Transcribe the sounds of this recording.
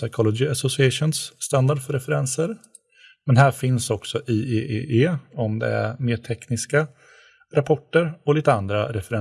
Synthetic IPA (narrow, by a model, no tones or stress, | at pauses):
sajkʰɔlɔd͡ʒɪasɔsɪɛʂʊnsːt̪and̪aɖfœɾɛfɛɾɛnsəɾ | mɛnhæːɾfɪnsɔksɔʔiːʔeːʔeːʔeːɔmd̪ɛ̰æ̰ɾmeːʈʰɛknɪska | ɾapʰɔʈːəɾɔliːt̪əand̪ɾaɾɛfɛɾɛ